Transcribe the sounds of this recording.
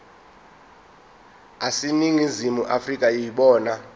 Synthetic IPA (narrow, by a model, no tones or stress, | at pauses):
asiniŋizimuʔafrikʼajiɓɔːna